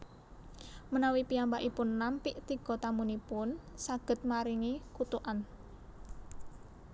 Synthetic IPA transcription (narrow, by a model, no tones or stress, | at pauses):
mənawipiambaʔipʊnːampɪʔt̪iɡ̥ɔ̤t̪amunipʊnsaɡ̥ə̤t̪̚maɾiŋikut̪uʔan